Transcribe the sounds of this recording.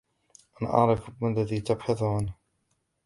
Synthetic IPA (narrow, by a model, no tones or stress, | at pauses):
ʔanʔɑ̰ʕɾɪfmalːaðiːt̪abħɑðˤʊʕanh